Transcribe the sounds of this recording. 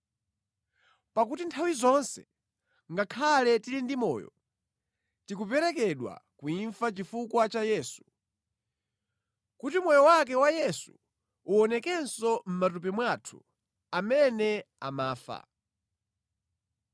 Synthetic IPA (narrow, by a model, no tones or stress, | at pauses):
pakutintʰawizɔnsɛ̥̰ | ŋɡakʰalɛtiɾindimɔ̰ːjɔ̰ | tikupɛɾɛk̬ɛɗwa̰kuiɱfat͡ʃifukwat͡ʃajɛːsu̥ | kutimwɔjɔwak̬ɛwajɛsu̥ː | ɔnɛkɛnsɔm̩matup̬ɛmwatʰu | amɛnɛ | a̰maːfa̰